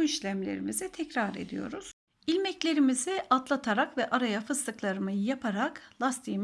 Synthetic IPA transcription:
iʃlʲæmlʲe̞̰ɾimizɛt̪ʰɛcɾaɾe̞̰d̪ḭjo̞̰ɾuz̥ | ilʲmɛclʲe̞ɾimizɛat̪lˠat̪ʰaɾakvɛʔaɾajafɯst̪ɯklˠaɾɯmɯjapʰaɾaklˠast̪ʰiːm

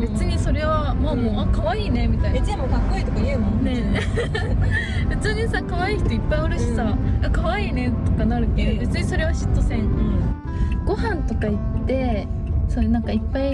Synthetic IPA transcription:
be̞t͡sɨɲ̟iso̞ɾe̞βamoːmoːakaβaiːne̞mʲit̪aiet͡sɨɲimoːɡakːoiːt̪okajɯ̟ːmõne̞ | be̞t͡sɨɲ̟isakaβaiːçi̥t̪o̞ipːaioɾɯ̟ɕi̥saakaβaiːne̞t̪o̞kanaɾɯ̟ke̞d̪obe̞t͡sɨɲ̟iso̞ɾe̞βaɕi̥t̪ːo̞sẽɴ | ɡ̥o̞hãnt̪o̞kait̪ːe̞soenãŋkaipːai

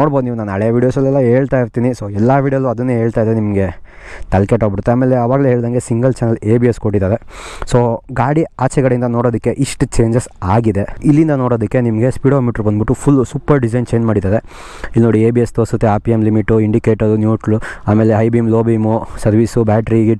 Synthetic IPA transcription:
noːɽbod̪niːʋunaːnaɭeɐʋiːɽijoːsɛlːɛlːɐɦeːɭt̪aːiɾt̪iːnisoːɛlːaʋiːɽijoːluɐd̪unːeːɦeːɭt̪aːjid̪enimɐɡe̞ | t̪ɐlkeʈɦoɡbiɽut̪ːeaːme̞ːleɐʋaːɡɐleːɦeːɭd̪aːŋɡe̞siŋɡɐlt͡ʃɐnɐleːbieskoʈːid̪aːd̪e̞soːɡaːɽiaːt͡ʃɛɡɐɽeind̪ɐno̞ːɽoːd̪ikːe̞ʔiʂʈut͡ʃe̞ːɲd͡ʒesaːɡid̪eilːind̪ɐno̞ːɽoːd̪ikːe̞nimɐɡe̞spiːɽoːmiʈɐɾkɐnd̪biʈːupʰulsuːpɐɾɖid͡ʒɐjnt͡ʃeːɲd͡ʒmaːɽid̪aːd̪e | ilnoːɽieːbiest̪oːsɐt̪ːeaːpiemlimiʈːuiɳɖikeːʈɐɾunjuːʈluaːme̞ːleɦɐjbimloːbimusɐɾʋisubaːʈɾiɡi

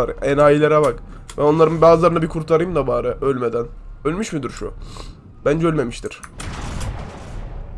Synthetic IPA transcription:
aɾɛnaːjilʲeɾabakbæno̞nlˠaɾɯmbaːzɯlˠaɾɯabikʰuɾt̪ʰaɾɯjɯmd̪abaːɾɯʔølʲmed̪ænølʲmyʃmid̪iɾʃṵ | b̥ænd͡ʒɛø̞lʲme̞miʃt̪ʰiɾ̥

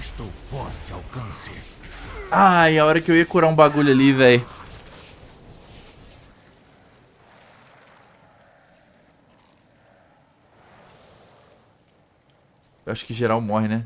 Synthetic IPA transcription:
ʃt̪owfɔɾt̪ɪawkɐ̃sḛ | aɪaɔɾɐkɪewiɐkuɾaũbaɡuʎʊalivɛj | ewaʃʊ̥kɪʒeɾawmɔɦɪnɛ

